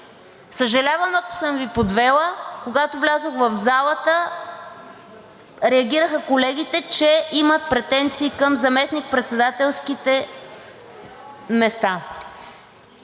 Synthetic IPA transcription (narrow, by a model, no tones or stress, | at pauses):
səʒɐlʲavəmɐko̥səmvipod̪vɛlˠəkoɡat̪ovlʲazoxvɐvzalˠət̪ə | ɾɛɐɡ̟iɾəxəkolɛɡ̟it̪ɛt͡ʃɛimət̪̚pɾɛt̪ɛnt̪siːkəmzɐmɛsnik̚pɾɛt̪sɛd̪at̪ɛlˠskit̪ɛ | mɛst̪a